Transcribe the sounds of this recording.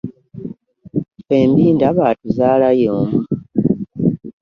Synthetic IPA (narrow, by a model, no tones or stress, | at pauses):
fe̞ːmbiːndaβaːtuzaːlajoːmuu